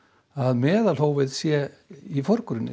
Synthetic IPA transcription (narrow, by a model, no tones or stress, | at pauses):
aðmɛːðalhoːwvɪðsjɛ | ifɔɾ̥kɾʏnːɪ̰